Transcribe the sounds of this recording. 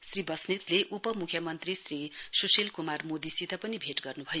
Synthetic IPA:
sribʌsnit̪leʔupʌmukʰjʌmʌnt̪risrisusilkumarmod̪isit̪apʌnibʱeʈɡʌrnubʱʌjo

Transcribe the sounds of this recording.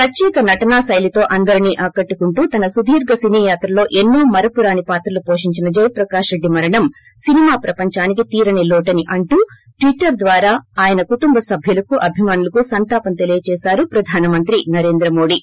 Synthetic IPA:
pɾɐt͡ʃɛːkɐnɐʈɐnaːsɐjlit̪o̞ːʔɐnd̪ɐɾiniːʔɐkɐʈːukuɳʈuːt̪ɐnɐsud̪ʱiːɾɡɐsiniːjaːt̪ɾɐlo̞ːʔɛnːoːmɐɾɐpuɾaːnipaːt̪ɾɐlupo̞ːʂiɲt͡ʃinɐd͡ʒɐjɐpɾɐkaːʂɾe̞ɖːimɐɾɐɳɐm | sinimaːpɾɐpɐɲt͡ʃaːnikit̪iːɾɐnelɔːʈɐniʔɐɳʈuː | ʈʋiʈːɐɾd̪ʋaːɾaːaːjɐnɐkuʈumbɐsɐbʱjulɐkuʔɐbʱimaːnulɐkusɐnt̪aːpɐnt̪elijɐt͡ʃɛːsaːɾupɾɐd̪ʱaːnɐmɐnt̪ɾinɐɾe̞ːnd̪ɾɐmo̞ːɽi

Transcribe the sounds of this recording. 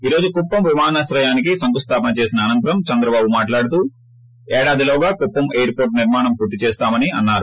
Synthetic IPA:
iːɾo̞ːd͡ʒukupːɐmʋimaːnɐsɾɐjaːnikisɐŋkust̪ʰaːpɐnɐt͡ʃe̞ːsinɐːnɐnt̪ɐɾɐmt͡ʃɐnd̪ɾɐbaːbumaːʈlaːɽut̪uː | ɛːɽaːd̪iloːɡaːkupːɐmejɐɾpo̞ːɾʈniɾmaːɳɐmpuːɾt̪ːit͡ʃeːst̪aːmɐniɐnːaːɾu

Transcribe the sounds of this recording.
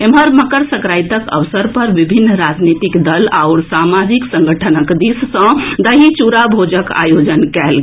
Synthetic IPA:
emɦəɾməkəɾsəkɾajt̪əkə̰ʋsəɾpəɾʋibʱinːɾad͡ʒnit̪ikd̪əla̰ʊɾsamad͡ʒiksə̃ŋɡəʈʰənəkd̪issə̃d̪əɦit͡ʃuɾabʱod͡ʒəka̰jod͡ʒənkɛlɡ

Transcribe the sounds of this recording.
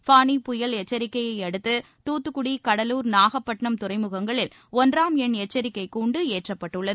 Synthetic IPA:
faːnipʊjɐlɛt͡ʃːɐɾɪkːɐjɐɪɐɽɯt̪ːɯ | t̪uːt̪ːɯkːʊɽikɐɽɐluːɾnaːɣɐpːɐʈɳɐmt̪ʊrɐɪmɯɣɐŋɡɐɭɪl | ɔndraːmɛɳɛt͡ʃːɐɾɪkːɐɪkuːɳɖɯeːʈrɐpːɐʈːɯɭːɐ

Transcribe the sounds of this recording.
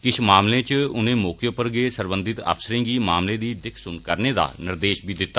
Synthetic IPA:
kɪʃʰmaːmlẽːt͡ʃʊnẽːmoːkjõːpəɾɡeːsəɾbənd̪ɪt̪ə̰fsəɾẽːɡiːmaːmlẽːd̪iːd̪ɪkʰsʊnkəɾneːd̪a̰ːnɪɾd̪eːʃbʱiːd̪ɪt̪ːaː

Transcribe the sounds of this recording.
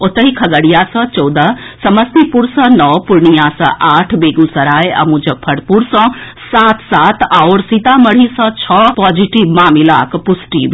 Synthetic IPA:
ʊt̪əɦikʰɐɡəɽijaːsə̃t͡ʃɔd̪asɐməst̪ipuɾsə̃nɔːpʊɾɳijaːsɐ̰̃ʔaːʈʰbeːɡũsɐɾaːeʔɐ̰mũd͡ʒɐpʰɐɽpuɾsɔ̃ | saːt̪ʰsaːt̪aːoɾsit̪amɐɽ̤isɔ̃t͡ʃʰɔpɔːd͡ʒiʈiʋmaːmilaːkpʊsʈḭː

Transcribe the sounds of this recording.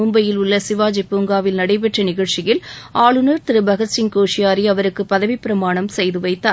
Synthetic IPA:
ʊmbɐjɪlʊɭːɐsɪʋaːd͡ʒɛpːuːŋɡaːʋɪlnɐɽɐɪp̬ɛʈrɐnɪɣɐɻt͡ʃɪjɪl | aːɭɯnɐɾt̪ɪɾɯbɐɣɐt͡ʃːɪŋkoːʂɪjaːɾiɐʋɐɾɯkːɯpːɐðɐʋipːɪɾɐmaːɳɐmsɛjðɯʋɐɪt̪ːaː

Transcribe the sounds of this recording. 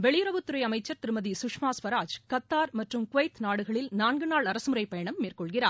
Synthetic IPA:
ʋɛɭɪjɾɐʋɯt̪ːɯɾɐɪɐmɐɪt͡ʃːɐɾt̪ɪɾɯmɐðisʊkʂmaːspɐɾaːd͡ʒkɐt̪ːaːɾmɐʈrɯmkʊʋɐɪt̪naːɽɯɣɐɭɪlnaːɳɡɯnaːɭɐɾɐsɯmɯɾɐɪpːɐjɐɳɐmːeːrkɔɭɣɪraːɾ

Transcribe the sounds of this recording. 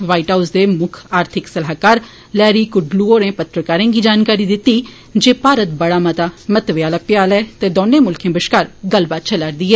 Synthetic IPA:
ʋaːiʈɦaːusd̪eːmʊkʰaːɾt̪ʰɪksəlɦaːkaːɾ | lɛːɾiːkʊɖluoːɾẽːpət̪ɾəkaːɾẽːɡiːd͡ʒaːnkaːɾiːd̪ɪt̪ːiː | d͡ʒeːpaːɾət̪bəɽaːmət̪aːmət̪ʋjaːlaːpɪjaːlɛːt̪eːd̪oːnːẽːmʊlkʰẽːbɪʃkaːɾɡəlbaːt͡ʃʰəlaɾd̪iːɦɛː

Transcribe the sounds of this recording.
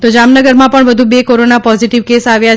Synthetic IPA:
t̪od͡ʒamnəɡəɾmãpəɳʋəd̪ʱubekoɾonapɔziʈiʋkesaʋja

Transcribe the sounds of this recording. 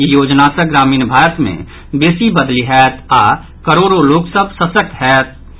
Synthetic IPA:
ijoːd͡ʒnasəɡɾaːmiːnbʱaːɾət̪mḛ̃ | beːsibəd̪liɦɛːt̪ʰaː | kəɾoːɾoloːksəbʱsəsək̚t̪ɦɛːt̪̚ʰ

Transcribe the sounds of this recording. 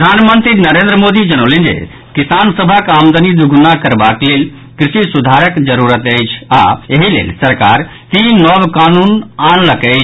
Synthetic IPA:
d̪ʱanmənt̪ɾinəɾẽnd̪ɾəmod̪id͡ʒənolĩnd͡ʒḛ | kisansəbʱəkamd̪ənid̪uɡʱnakəɾbaklel | kɾisisud̪ʱaɾəkd͡ʒəɾuɾət̪əjt͡ʃʰa̰eɦilḛlsəɾka̰ɾt̪inɔbkanunanləkəɪt͡ʃʰ

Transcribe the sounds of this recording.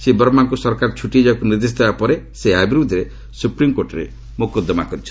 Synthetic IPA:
sebɔɾmaŋkusɔɾkaɾt͡ʃʰuʈid͡ʒakuniɾd̪is̬d̪ebapɔɾeseabiɾud̪ʱiɾe | supɾimkoɾʈɔɾḛ | mukɔd̪ːɔmakɔɾit͡ʃʰi̥

